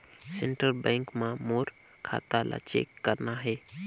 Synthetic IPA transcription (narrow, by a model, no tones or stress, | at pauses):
seɳʈəɾbɛ̃ŋkmãmoɾ | kʰa̰t̪alʔa̰t͡ʃḛkːəɾnaɦɛ